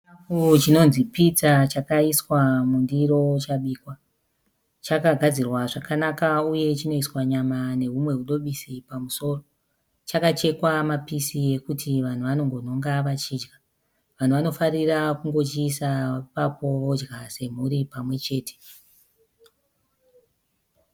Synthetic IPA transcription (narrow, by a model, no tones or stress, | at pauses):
akut͡ʃino̞nzipit͡sat͡ʃakaiswamundiɾo̞t͡ʃaɓiːkwa | t͡ʃakaɡʱad͡zirwaʐakanakauje̞t͡ʃino̞iswaɲamane̞ɦumwe̞ɦuɗo̞ɓisipamuso̞ːro̞ | t͡ʃakat͡ʃe̞kwamapisije̞kutiʋan̤uʋano̞ŋɡo̞no̞ŋɡaʋat͡ʃiːd͡ʒɡa | ʋan̤uʋano̞farirakuŋɡo̞t͡ʃiːsapapo̞ʋo̞d͡ʒɡase̞m̤uɾipamwe̞t͡ʃe̞ːtʰe̥